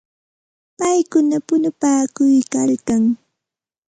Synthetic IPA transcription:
pajkʊnapʊnʊpaːkʊjkalkaŋ

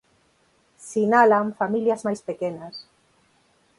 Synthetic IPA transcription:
sinalaɱfamiljazmajspekenas

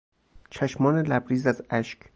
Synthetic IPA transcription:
t͡ʃʰæʃmɒːnelæbɾiːzæzæʃkʰ

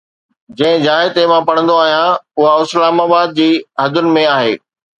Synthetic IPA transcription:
d͡ʑɐ̃ɦɪ̃d͡ʑaːɦɪt̪emãpɐɽ̃ə̃nd̪oaːɦijãʊɦaɪslaːmaːbaːd̪̚d͡ʑiːɦɐɡ̪ʊnɪ̆mẽaːɦḛː

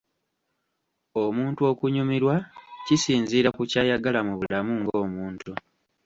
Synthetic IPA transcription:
o̞muːntuo̞ːkuɲumiɾwacisiːnziːɾakucaːjaɡalamuβulamuŋɡo̞ːmuːntu

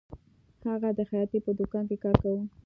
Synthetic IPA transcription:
haɣad̪əxajɑt̪epəd̪ʊkɑnkekɑɾkawu

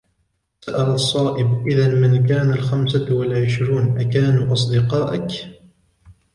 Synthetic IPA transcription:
saʔalɑsˤːɑːʔɪbʔɪðanmɪnk̬aːnalxamsawalʕɪʃɾuːnʔakaːnuːʔɑs̬ˤd̪ɪqɑːʔak

